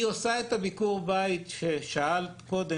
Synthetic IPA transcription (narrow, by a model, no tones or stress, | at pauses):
osaet̪abikuʁbait̪ʃeʃaalko̞d̪e